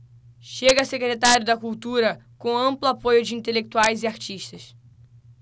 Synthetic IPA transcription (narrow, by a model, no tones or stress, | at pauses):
ʃeɡɐsekɾet̪aɾjʊd̪ɐkuwt̪uɾɐkõɐ̃mplʊapojʊd͡ʒɪĩnt̪elek̚t̪uajzɪaɾt͡ʃiʃt̪ɐʃ